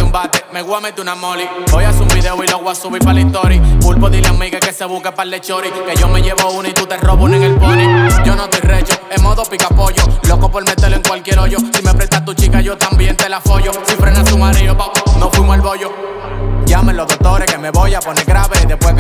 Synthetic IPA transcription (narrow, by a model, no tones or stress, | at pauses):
umbat̪emeɣwamet̪unamolibojasumbiðeoiloɣwasuβipalint̪oɾipulpoðileamiɣeke̞seβukepalːet͡ʃo̞ɾikeʝome̞ʝeβounait̪ut̪e̞roβuneŋelponiɟ͡ʝonot̪ojret͡ʃoemoðopikapo̞ʝolokopolmet̪eloeŋkwalkjeɾoʝosimeapɾet̪at̪ut͡ʃikaʝot̪ambjent̪elafo̞ʝosifɾenasumaðɾejopanofwimoelβoʝo | ɟ͡ʝameloðok̚t̪o̞ɾekemeβo̞japoneɣɾaβeiðepwe